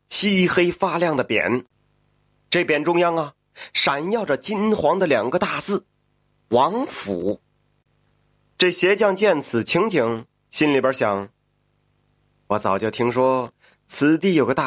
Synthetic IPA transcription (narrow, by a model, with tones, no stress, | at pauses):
ɕi˥xe˥ɪfa˥˧ljɑ˥˩ŋd̪ə˩pjɛ̰˨˩˦n | ʈ͡ʂɤ˥˩pjɛ˨˩nʈ͡ʂʊ˥ŋjɑ˥ŋɐ˨ | ʂa˨˩njɑ˥˩ʊʈ͡ʂə˨˩t͡ɕi˥nxwɑ˧˥ŋd̪ə˨ljɑ˨˩ŋɡə˧˦t̪a˥˧t͡sɹ̩˥˩ | wɑ˧˥ŋfṵ˨˩˦ | ʈ͡ʂɤ˥˩ɕjɛ˧˥t͡ɕjɑ˥˧ŋt͡ɕjɛ˥˩nt͡sʰɹ̩˨˩t͡ɕʰi˧˥ŋt͡ɕʰi˧˥ŋ | ɕi˥nli˨˩bjə˞˧˥ɕjɑ̰˨˩˦ŋ | wɔ˧˥t͡sɑ˨˩ʊt͡ɕjo˥˩ʊt̪ʰi˥ŋʂwɔ˥ | t͡sʰɹ̩˧˥t̪i˥˩jo˨˩ʊɡə˧t̪a˥˩